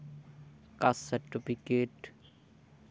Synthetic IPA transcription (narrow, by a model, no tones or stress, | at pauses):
kasɐɾʈipikeːʈ